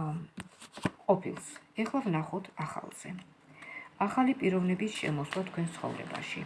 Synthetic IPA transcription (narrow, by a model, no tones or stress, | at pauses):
qʼɔpʰilˠsɛχlˠavnaχɔt̪ʰaχa̰lˠz̥ɛ | aχalipʼiɾɔvnɛbisʃɛ̰mɔslˠat̪ʰkʰwɛnst̪sχɔ̰vɾɛ̰ba̰ʃi